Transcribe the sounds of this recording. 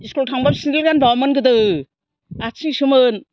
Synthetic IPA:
iskultʰaŋbamsindilɡanbamɯnɡɯdɯ | at͡ʃiŋsɯmɯn

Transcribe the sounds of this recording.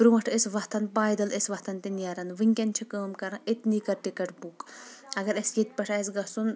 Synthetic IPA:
bɾumɐʈʰesʋɐht̪ɐnbaːjd̪ɐlesʲʋɐht̪ʰɐnt̪injaɾɐnʋɨŋʲkʲɐnt͡ʃʰikəːmkɐɾãʔet̪nikɐɾʈikɐʈbukɐɡɐɾɐsjet̪̚pɐʈʰaes̬ɡɐsun

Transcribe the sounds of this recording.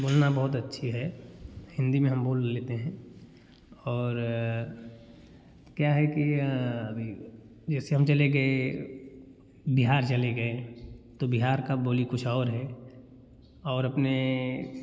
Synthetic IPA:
boːlnabɔɦʊt̪ɐtːʃʰiɦɛhɪ̃nd̪imẽɦɐmboːlːeːt̪eɦɛ̃ | ɔːɾ | kjaɦɛkiɐbʱi | d͡ʒɛːseɦɐmt͡ʃɐleɡɐe | biɦaːɾt͡ʃɐleɡɐet̪obiɦaːɾkaboːlikʊt͡ʃʰɔːɾɦɛ | ɔːɾɐpne

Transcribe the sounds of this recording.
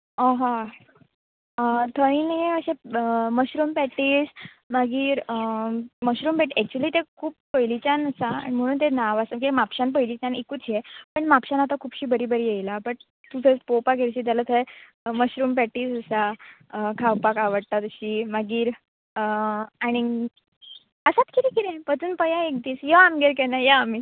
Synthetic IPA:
ãɦã | t̪ʰəinəjeəɕẽəməɕɾuːmpɛʈiːs | maɡiːɾəməɕɾuːmpɛʈiʔæk̚t͡ɕuəliːt̪ekʰuːpːəjlit͡ɕanəsaa̰ɳim̤əɽ̃uːnt̪̬enaʋasəmkimapɕanpəjlit͡ɕanekuːt͡sjepəɳmapɕanat̪akʰuːpɕiːbəɾiːbəɾijejlapəɳ | t̪ut͡sʰət͡spopaɡeɾɕiːt̪alət̪ʰə | məɕɾuːmpɛʈiːsəsa | kʰawpakaʋəɽt̪at̪əɕiːmaɡiːɾ | əaɽ̃i | əsat̪kʰit̪ikiɾẽpət͡suːnpəjaek̚d̪iːsjəamɡeɾkɛnajəami

